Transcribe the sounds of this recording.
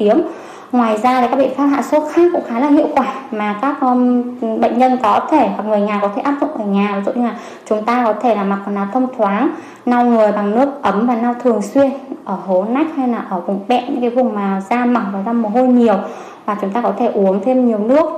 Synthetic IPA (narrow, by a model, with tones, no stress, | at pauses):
t̪i˨˦əm | ŋwaː˨˩jzaː˧laː˨˩ka˦˥ɓḛ˧˨faː˦˥p̚ɦa̰ː˧˨wso˨˦xaː˦˥kkːʊ̰˧˥ŋ͡mxaː˨˦laː˨˩hḭ˧˨əwkwaː˧˩maː˨˩kaː˦˥k̚ɓə̰˧˨ŋ̟ɲə˧nkɔ˨˦t̪ʰe˧˩ha˨˩k̚ŋɨ˨˩əjɲaː˨˩kɔ˨˦t̪ʰe˧˩ʔaː˦˥p̚zʊ̰˧˨ŋ͡mʔəː˧˩ɲaː˨˩˨zṵ˧˨ʔɲɨ˧laː˨˩ | t͡ɕʊ˨˦ŋ͡mt̪aː˧kɔ˨˦t̪ʰe˧˩laː˨˩ma˨˩˨naː˨˩t̪ʰə˧wŋ͡mt̪ʰwaː˨˦ŋ | na˧wŋɨ˨˩əjɓa˨˩ŋnɨ˦˥ək̚ʔə˨˦mvaː˨˩na˧wt̪ʰɨ˨˩əŋswi˧ənʔəː˧˩ɦo˨˦na˦˥k̚ha˧jlaː˨˩ʔəː˧˩vʊ˨˩ŋ͡mɓɛ̰˧˨nɲɨ̰˧˥ŋkaː˨˦jvʊ˨˩ŋ͡mmaː˨˩zaː˧ma˨˩wvaː˨˩wza˧m˨˩ɦo˧jɲi˨˩əw | vaː˨˩t͡ɕʊ˨˦ŋ͡mt̪aː˧kɔ˨˦t̪ʰe˧˩ʔu˨˦əŋt̪ʰe˧mɲi˨˩əwnɨ˦˥ək̚